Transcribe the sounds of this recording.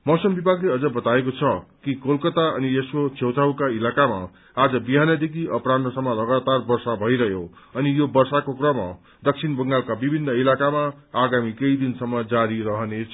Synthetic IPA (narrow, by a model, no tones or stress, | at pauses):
mʌsʌmbibʱaɡleʌd͡zʌbʌt̪aekot͡sʰʌkikolkʌt̪aʌ̰nieskot͡sʰewt̪ʰawkailakama̰ː | d͡zʌbiɦanʌd̪ekʰiʔʌpranʌsʌmːʌlʌɡat̪arbʌrsabʱʌiɾʌɦjo | ʌnijobʌrsakokrʌmʌ | d̪ʌk̚sʰinbʌŋɡalkabibʱinːʌilakamaː | ɡamikʌid̪insʌmːʌd͡zaɾiɾʌɦʌnet͡sʰʌ